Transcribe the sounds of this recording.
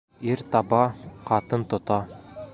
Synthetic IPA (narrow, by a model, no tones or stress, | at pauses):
iɾt̪ɑbɑqɑt̪ɤnt̪ŏt̪ɑ